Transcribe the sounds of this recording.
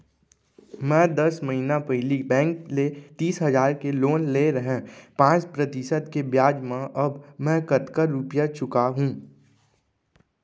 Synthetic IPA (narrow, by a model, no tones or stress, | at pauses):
mɛ̃ːd̪ɐsməɦinapɛɦɪlibɛ̃ːŋklet̪iːsɦɐzaːɾkeloːnleɾəɦẽpãːt͡ʃpɾɐt̪ɪʃəd̪kebjaːd͡ʒmãʔɐbmɛ̃ːkɐt̪kəɾːupjat͡ʃʊkaɦũː